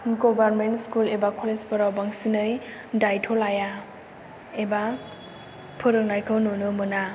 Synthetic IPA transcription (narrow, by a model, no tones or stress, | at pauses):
ɡobaɾmentskulebakʰɔlezpɔɾawbaŋsinɯjdajtʰolaja | eba | pʰɯɾɯk̚najkʰɯwnunɯmɯna